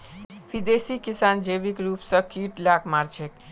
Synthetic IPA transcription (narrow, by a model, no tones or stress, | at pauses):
bid̪esikisand͡ʒebikɾupsʌ̃kiʈlakmaɾt͡ʃʰek